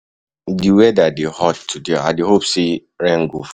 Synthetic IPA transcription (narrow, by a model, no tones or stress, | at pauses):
diwɛdadehɔttʰːudea̰deɦopsi | ɾɛ̃ŋɡuf